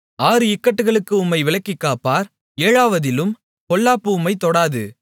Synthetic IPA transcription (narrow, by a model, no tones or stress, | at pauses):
aːɾɯɪkːɐʈːɯɣɐɭɯkːɯʊmːɐɪʋɪɭɐkːɪkːaːpaːɾ | eːɻaːʋɐðɪlɯm | kɔɭːaːpːɯʊmɐɪt̪ɔɽaːðɯ̰